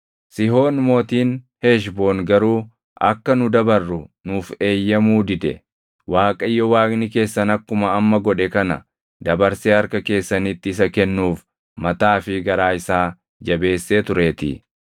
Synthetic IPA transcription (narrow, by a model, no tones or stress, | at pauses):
sɪɦo̞ːnmo̞ːt̪iːn | he̞ːʃ̬bo̞ːnɡɐɾuː | ʔɐ̰kːɐnʊd̪ɐbɐrːʊnuːfe̞ːjːɐmuːd̪ɪd̪ɛ̰ | waːkʼɐjːɔwaːkʼnɪke̞ːsːɐnɐkːʊmɐːmːɐɡɔᶑɛkɐnɐ̰ | d̪ɐbɐɾseːɐɾkɐke̞ːsːɐnit̪ːɪɪs̬ɐkɛnːuːf | mɐt̪aːfɪɡɐɾaːɪsaː | d͡ʒɐbe̞ːsːeːt̪ʊɾe̞ːt̪ɪ̰